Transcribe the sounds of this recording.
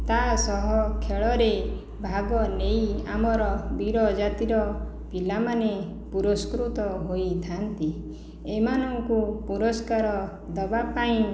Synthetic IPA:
t̪asɔɦɔkʰeɭɔɾe | bʱaɡɔnejamɔɾɔbiɾɔd͡ʒat̪iɾɔ | pilamane | puɾɔskɾut̪ɔɦojt̪ʰant̪i | emanɔŋkupuɾɔskaɾɔ | d̪ɔbapaĩ

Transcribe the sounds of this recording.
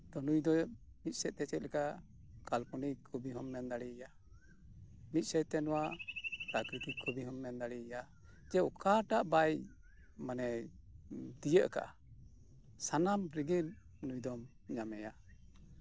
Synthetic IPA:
d̪ɔnujd̪ɔ | mit̪̚ˀsɛt̪̚t̪ːɛt͡ʃɛt̪̚lɛka | kalpunikʰubiɦɔmːɛnd̪aɽija | mit̪̚ˀsɛt̪ɛnɔwaɾakɾit̪ikʰɔbiɦɔmːɛnd̪aɽija | d͡ʒɛɔkaʈaʔbaj | manɛ | t̪ijəʔka̰ʔa̰ | sanamɾiɡin | nujd̪ɔm | ɲamɛja

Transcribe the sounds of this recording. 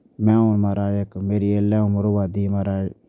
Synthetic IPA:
mɛ̃ːonmaɾaːjekmeːɾielɛːʊməɾoʋaːd̪iːmaɾaːj

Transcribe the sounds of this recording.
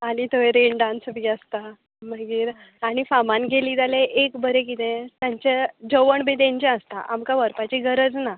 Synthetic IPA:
aɽ̃it̪oʋeɾeɳɖansbiast̪a | məɡiːɾ | aɽ̃ifamanɡeliːd͡z̪aleʔekbəɾekit̪ɛ̃t̪jaɲt͡ɕed͡zəʋəɳbẽd̪ẽɲt͡ɕaəst̪a̰ʔamkaʋəɾpat͡ɕiɡəɾəd͡zna

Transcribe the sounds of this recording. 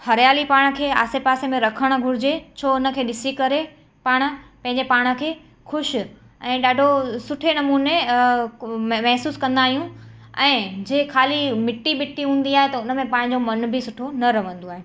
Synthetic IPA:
hɐɾjaːlipaːɽ̃ə̆kʰeːa̰ːsepaːsemẽɾɐkʰəɽ̃əɡʱʊɾɪd͡ʑet͡ɕʰoːʊnə̆kʰeːɗɪsikɐɾe | paːɽ̃ə̆pɐ̃ɦɪ̃ɲd͡ʑepaːɽ̃ə̆kʰeː | xʊʃ | ɛ̃ːɗaːɖʱosʊʈʰenɐmuːne | mɐɦsuːskɐ̃nd̪aːɦijũ | ɛ̃ːd͡ʑeːkʰaːlimɪʈːimɪʈːiɦũːn̆d̪iaːɦet̪ɐʊnə̆mẽpɐ̃ɦɪ̃ɲd͡ʑomɐnbʱɪsʊʈʰonɐɾɐʋə̃n̆d̪oaːɦe

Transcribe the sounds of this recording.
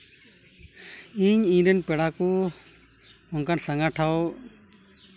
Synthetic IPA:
iɲĩɾɛnpɛɽaku | ʊnkansaŋɡaʈʰaw

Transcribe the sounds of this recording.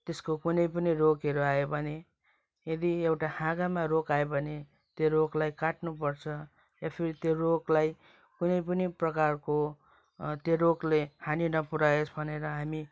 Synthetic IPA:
t̪eskokunʌjpʌniɾokeɾuaebʱʌne | jed̪iewʈahãɡamaɾokaebʱʌne | t̪joɾoklajkaʈnupʌrt͡sʰʌ | japʰiɾit̪joɾoklaj | kunʌjpʌniprʌkarko | t̪jeɾoklehaninʌpuɾaesbʱʌneɾʌɦami

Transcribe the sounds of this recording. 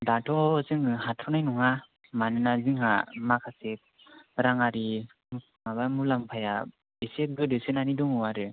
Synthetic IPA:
datʰɔzɯŋɯhatʰɔnajnuŋa | manɯnaziŋamakʰasek̚ | ɾaŋaɾi | mabamulampʰaja | besek̚ɡɯdɯsenanidɔŋɯwaɾɯ

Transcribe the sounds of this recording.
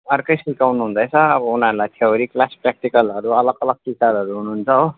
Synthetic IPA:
ʌrkʌjsikawnuɦũnd̪ʌjt͡sʰʌʌbʌunʌɾulajt̪ʰeoɾiklaspɾak̚ʈikʌlʌɾuʌlʌɡʌlʌɡ̚kisaɾʌɾuɦunuɦːnt͡sʰʌɦo

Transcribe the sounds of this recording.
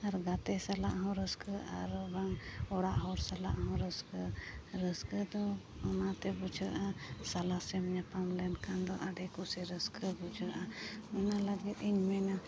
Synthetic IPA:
aɾɡat̪ɛsalaʔɦɔ̃ɾəskəa̰ɾbaŋɔɽaʔɦɔɾsala̰ʔɦɔ̃ɾəskəɾəskəd̪ɔ | ɔnat̪ɛbud͡ʒʰəɾʔasalasɛmɲapamlɛnkand̪ɔʔaɖɛkusɛɾəskʰəbud͡ʒʰəɾʔamɛnalaɡɛt̪iɲmɛna

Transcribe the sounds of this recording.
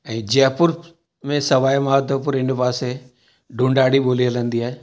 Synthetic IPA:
ɛ̃ːd͡ʒɛːpʊɾ | mẽsɐʋaːjmaːt̪opʊɾɪnpaːse | ɖũɳɖaːɽiboːliələ̃nd̪iɦaːe

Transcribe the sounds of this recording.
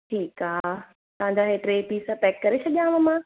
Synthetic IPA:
ʈʰiːkaː | t̪ɐɦãɲd͡ʑaːɦeːʈɾeːpiːsãpɛːkːɐɾesʰɐɠijãʋɐmã

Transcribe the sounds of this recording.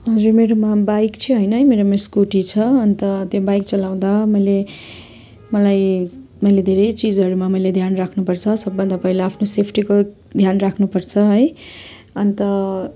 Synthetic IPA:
ɦʌd͡zurmeɾomabajkt͡sʰʌ̃ɦʌjnʌɦjmeɾomeskuʈit͡sʰʌʌnit̪ʌt̪jobajk̚t͡sʌlaw̃d̪amʌjle | mʌlaj | mʌjled̪ʱeɾʌjt͡sid͡zʌɾumamʌjled̪ʱjanrakʰnupʌrt͡sʰʌsʌbːʌnd̪apʌɦilaːpʰnosepʰʈiko | d̪ʱjanrakʰnupʌrt͡sʰʌɦʌj | ʌnit̪ʌ

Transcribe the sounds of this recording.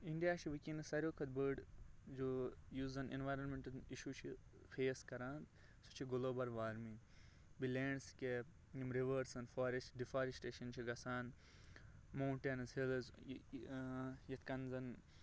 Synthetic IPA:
iɳɖijaːt͡ʃʰiʋikʲinɐsɐɾʲjoːkʰɐd̪̚bəːɖd͡ʒojuːzɐnḭnʋaːjɾɐnmẽɳʈɐniʃuːt͡ʃʰi | fʰeːskɐɾaːnd̪ | su̥t͡ʃʰiɡuloːbɐɾʋaːɾmĩ | bilẽːɳɖske | jimɾiʋəɾsɐnfaːɾesʈɖifaːɾesʈeːʃɐnt͡ʃʰiɡɐsaːn | moːɳʈenɐzhilz | jɐt̪ʰkɐnzɐn

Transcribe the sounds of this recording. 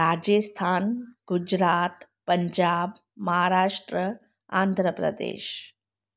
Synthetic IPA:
ɾaːd͡ʒest̪ʰaːnɡ̥ud͡ʒɾaːt̪pəɲd͡ʒaːbmɐɦaɾaːʂʈɾə | a̰ːnd̪ʱɾəpɾə̰d̪ḛːʃ

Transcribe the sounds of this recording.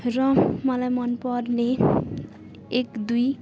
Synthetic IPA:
rʌmʌlajmʌnpʌrne | ekd̪uj

